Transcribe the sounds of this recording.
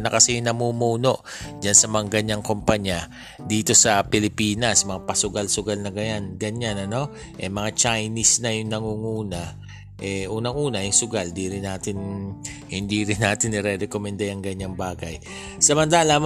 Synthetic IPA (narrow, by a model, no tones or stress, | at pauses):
nɐkɐsɛnɐmumuːno̞ʔd͡ʒansɐmɐŋaɡɐɲaŋko̞mpɐɲa | d̪iːt̪o̞sɐpɪlɪpiːnɐsmɐŋapɐsʊɡalsʊɡalnɐɡɐjanɡɐɲːanɐno̞ | ʔɛmɐŋat͡ʃajnisnɐjʊŋnɐŋuŋuːna | ʔɛʔuːnɐŋʔuːnɐjʊŋsʊɡald̪iɾɪnːaːt̪ɪn | hɪnd̪iɾɪnːaːt̪ɪnːɪɾɛɾɛkomɛnd̪ɐjɐŋɡɐɲːaŋbaːɡaj | sɐmɐnt̪aːlam